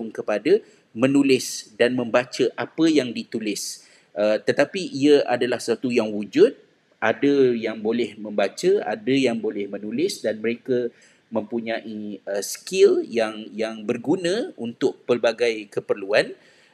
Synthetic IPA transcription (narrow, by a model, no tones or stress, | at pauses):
ŋkəpada | mə̃nulɪsdanmə̃mbat͡ʃəʔapəjaŋdit̪ulɪs | ət̪ət̪apiʔiəa̰dalahsat̪ujaŋwud͡ʒʊt̪̚ | ʔadəjaŋbolɛhmə̃mbat͡ʃəa̰dəjaŋbolɛhmə̃nulɪsdanməɾekə | mə̃mpuɲãʔiəskɪljaŋjaŋbərɡunə̃unt̪ʊk̚pərbaɡajkəpərluan